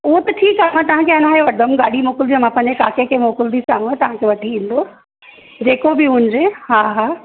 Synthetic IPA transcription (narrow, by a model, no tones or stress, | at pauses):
ʊɦot̪ɐʈʰiːkamãt̪ɐʋ̤ãkʰeɐnaːɦeʋɐɖəmɡaːɽimoːkɪld̪imãpɐ̃ɦɲ̆d͡ʑekaːkekʰemoːkɪld̪isaːɦũãt̪ɐʋ̤ãkʰeʋɐʈʰiĩːn̆d̪o | d͡ʑeːkobɪʊ̃nd͡ʑeɦaːɦaː